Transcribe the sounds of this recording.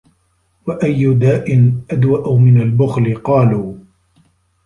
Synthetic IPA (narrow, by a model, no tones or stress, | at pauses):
waʔajːʊd̪aːʔɪnʔad̪waʔumɪnalbʊxlɪqɑːluː